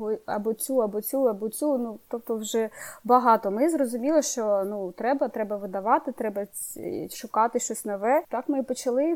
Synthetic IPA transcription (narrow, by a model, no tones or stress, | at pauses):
ɦɔɐ̰bɔt͡sʲuɐbɔt͡sʲuɐbɔt͡sʲunut̪ɔbt̪ɔwʒɛbɐɦɑt̪ɔmɪzrɔzʊmʲilˠɔʃt͡ʃɔnut̪ɾɛbɐt̪ɾɛbɐʋɪd̪ɐʋɑt̪ɪt̪ɾɛbɐ̰ | ʃʊkɑt̪ɪʃt͡ʃɔsʲnɔʋɛt̪ɑkmɪpɔt͡ʃɐlˠɪ